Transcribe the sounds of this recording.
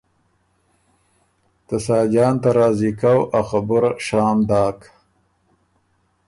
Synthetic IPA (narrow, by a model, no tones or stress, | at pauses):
t̪asɑːd͡ʒɑːnt̪aɾɑːzikawʔaxabʊɾaʃɑːmd̪ɑːk